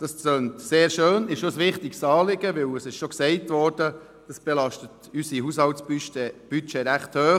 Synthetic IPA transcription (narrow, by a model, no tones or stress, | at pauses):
d̥ɑst͡søːntseːɾʃøːnɪʃosʋɪχtɪkstɑːlɪɡəʋɪwəsɪʃʃoksɛɪtʋɔːɾd̥ə | d̥ɑsb̥ɛlɑʃtət | ysiɦushɑltsb̥yʃtɛb̥yt͡ʃeɾæχthøː